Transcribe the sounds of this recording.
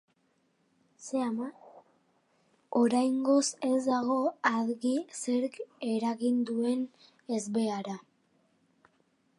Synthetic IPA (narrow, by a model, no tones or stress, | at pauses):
se̞ama | o̞ɾajŋɡo̞se̞zd̪aɣ̞o̞aðɣise̞ɾke̞ɾaɣind̪ue̞n | e̞zbe̞aɾa